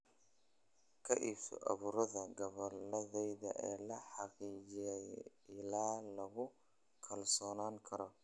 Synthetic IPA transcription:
kʰɐʔiːfɔ̰ʔɐ̰βuːɾɐðɐɡɐβɐlɐðɛjðɐʔɛːlɐħɑqiːt͡ʃɪjɛj | ɪlaːlɐɣʊ | kʰɐlsɔːnaːŋkʰɐɾɔ

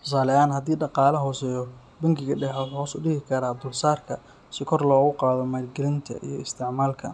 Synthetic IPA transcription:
t̪ʰʊs̬aːlɛaːnhɐd̪iːɖɑqɑːlɐɦɔːsɛːjɔ | bɐŋkʰɪɣɐɖɛħɐɔːsʊɖɪɦɪkʰɐɾaːb̪ʊlsaːrkʰɐ | sɪkʰɔrlɔːɣʊqɑːðɔmaːlɡɛlɪnt̪ʰɐ̰ʔḭjɞɪst̪ʰɪʕmaːlkʰɐ̰

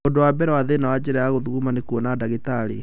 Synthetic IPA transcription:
odowabɛɾɛwaðenawad͡ʑeɾajaɣoðuɣumanekuɔnadaɣitaɾi

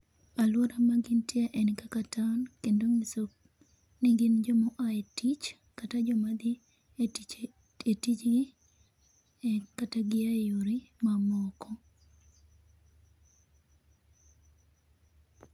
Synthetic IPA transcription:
alwɔɾamaɡɪntɪaʔenkakatankendoŋiso | niɡɪnd͡ʒɔmɔʔaetit͡ʃ | katad͡ʒɔmad̪ɪ | et | etit͡ʃɡɪ | kataɡɪajoɾimamɔkɔ

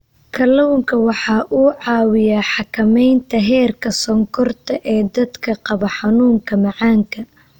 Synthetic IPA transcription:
kʰɐlɔwŋkʰɐwɑħɑːʔuːʕɑːwɪjaːħɑkʰɐmɛjnt̪ʰɐɦɛːrkʰɐsɔŋkʰɔrt̪ʰɐʔɛːd̪ɐd̪kʰɐqɑβɐħɑnuːŋkʰɐmɑʕɑːŋkʰɐ

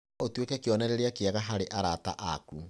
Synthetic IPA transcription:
otwekɛkeɔnɛɾeɾeakeaɣaɦaɾeʔaɾata̰ʔaku

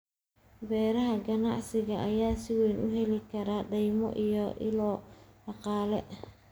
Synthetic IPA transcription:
bɛːɾɐɦɐɡɐnɑ̰ʕsɪɣɐʔːjaːsɪwɛjnʊɦɛlɪkʰɐɾaːɖɛjmɔ̰ʔijɔʔɪ̰lɔːɖɑqɑːlɛ̰

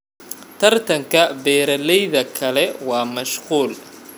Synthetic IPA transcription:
t̪ʰɐrt̪ʰɐŋkʰɐbɛːɾɐlɛjðɐkʰɐlɛwɑːmɐʃquːl

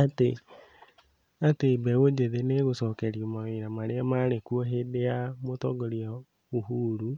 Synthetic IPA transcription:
ate | atebɛwod͡ʒeðeneɣosɔkɛɾiomaweɾamaɾeamaɾekuɔɦedeamotɔɡoɾia | oɦuːɾu

